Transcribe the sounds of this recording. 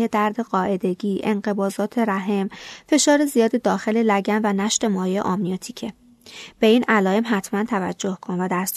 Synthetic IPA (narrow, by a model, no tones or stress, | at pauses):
ed̪æɾd̪e̞ɢɒːʔe̞d̪e̞ɡiːʔe̞̰nɢe̞bɒːzɒːt̪ʰe̞ɾæɦe̞mfe̞ʃɒːɾezijɒːd̪ed̪ɒːxe̞le̞læɟænvænæʃt̪e̞mɒːjeḛʔɒmnijɒt̪ʰiːcʰe̞ | b̥e̞iːnælɒːe̞mɦæt̪ʰmænt̪ʰævæd͡ʒːo̞hkʰonvæd̪æst̪